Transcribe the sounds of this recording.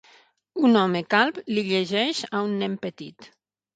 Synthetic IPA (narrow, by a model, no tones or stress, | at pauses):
unɔmekalˠpliʎeʒɛʃaunːɛmpət̪it̪